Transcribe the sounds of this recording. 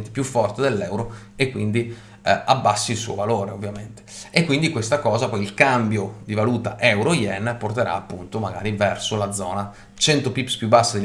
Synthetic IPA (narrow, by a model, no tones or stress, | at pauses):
nt̪e̥pjufːɔrt̪ed̪elːɛwɾo | ekːwind̪i | abːasːilsṵːovaloːɾeovːjament̪e̥ekːwind̪ikwest̪akɔːzapɔjilkambjod̪ivaluːt̪a̰ʔɛwɾojɛnːport̪eɾa̰ːpːunt̪omaɡa̰ːɾivɛrsolad̪zːɔːna | t͡ʃɛnt̪opipspjubːasːad̪el